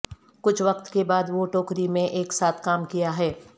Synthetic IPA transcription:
kʊt͡ʃʰʋɐqt̪kebaːd̪ʋoʈoːkɾimẽʔeːksaːt̪ʰkaːmkijaɦɛː

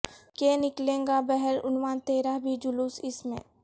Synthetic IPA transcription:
kenɪklẽːŋɡabɛɦɛlʊ̰nʋaːnt̪eːɾabʱid͡ʒʊluːsɪsmḛ̃ː

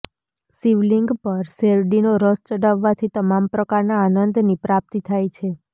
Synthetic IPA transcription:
siʋliŋɡpəɾseɾɖinoɾəst̪əɖaʋːat̪ʰit̪əmampɾəkaɾnaːnənd̪nipɾap̚t̪it̪ʰajt͡ʃʰe

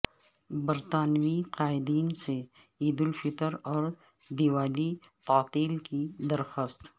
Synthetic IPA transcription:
bɐɾt̪aːnwiqaːɪd̪iːnse | iːd̪ɪlfɪt̪əɾɔːɾ | d̪iwaːlit̪aːt̪iːlkid̪ɐɾxəst̪

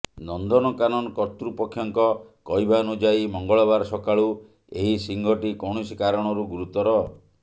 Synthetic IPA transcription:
nɔnd̪ɔnɔkanɔnɔkɔt̪ɾupɔkʰːjɔŋkɔkɔjbʱanud͡ʒajmɔŋɡɔɭɔbaɾsɔkaɭu | eɦisiŋɡɔʈikɔwɳ̃ɔsikaɾɔɽ̃ɔɾuɡuɾut̪ɔɾɔ

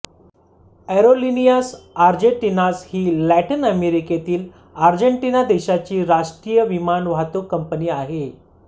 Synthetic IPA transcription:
ɛɾolinijasaɾd͡ʑeɳʈinashiːlæʈinəmeɾiket̪iːl | aɾd͡ʑeɳʈinad̪eɕat͡ɕiːɾaʂʈɾiːjəʋimanʋat̪okːəmpəniːaɦe

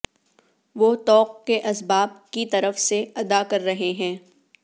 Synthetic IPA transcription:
ʋoːt̪ɔːq̚keʔɐsbaːb̚kit̪ɐɾəfseɐd̪akɐɾːɐɦeɦɛ̃ː

